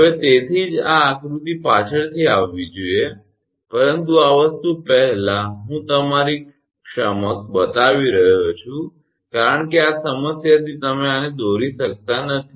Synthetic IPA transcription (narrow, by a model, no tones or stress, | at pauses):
əʋet̪et̪ʰiːd͡ʒaːkɾut̪ipat͡ʃʰəɭt̪ʰiaʋʋid͡ʒuje | pəɾənt̪uaʋəst̪upəɦlaɦũt̪əmaɾi | kʂəməkbət̪aʋiɾəɦot͡ʃʰũ | kaɾəɳkiasəməsjat̪it̪əmeaned̪oɾĩsək̚t̪anət̪ʰi̥